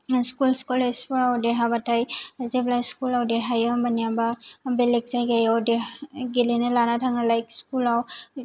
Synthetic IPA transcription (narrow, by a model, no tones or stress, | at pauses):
skulskulespɔɽawdɛɦabatʰajzeblajskulawdɛɽɦajəbanijababelekzajɡajawdɛaɡelenelanatʰaŋalajkskulaw